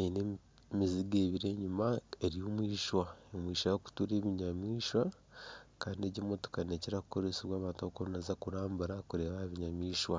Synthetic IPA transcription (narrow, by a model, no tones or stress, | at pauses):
ene | miziɡeːβiɾe̞ɲumaeɾijomwiːʃwaomwiːʃajoku̥tuɾeːβiɲamiːʃwa | kaːndieɟemotu̥kaneceɾaku̥ko̞ɾesiβwaːβaːntaβokoɾunazakuɾaːmbuɾakuɾe̞ːβahaβiɲamiːʃwa